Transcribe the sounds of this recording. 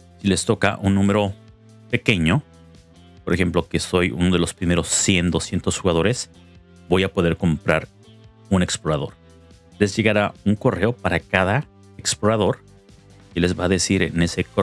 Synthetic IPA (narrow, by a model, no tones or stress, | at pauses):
sile̞st̪o̞ka̰ʔunːũme̞ɾo̞ | pe̞ke̞ɲo̞ | poɾexe̞mplo̞keso̞jṵnoðe̞lo̞spɾime̞ɾo̞sːje̞nd̪osjent̪o̞sxuɣaðo̞ɾe̞s | bo̞japo̞ð̞e̞ɾko̞mpɾaɾ | une̞ksplo̞ɾaðo̞̰ɾ | le̞zʝe̞ɣaɾauŋko̞re̞opaɾakaða | eksplo̞ɾaðo̞ɾ | ile̞zβaːðe̞siɾene̞se̞ko